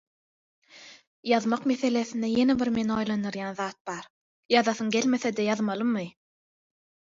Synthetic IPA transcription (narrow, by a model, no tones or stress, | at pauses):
jɑðmɑqme̞θe̞le̞θind̪eje̞nebiɾme̞nɑjlˠɑnd̪ɯɾjɑnðɑːt̪̚b̥ɑɾ | jɑðɑθɯŋɡe̞lme̞θed̪ejɑðmɑlˠɯmːɯ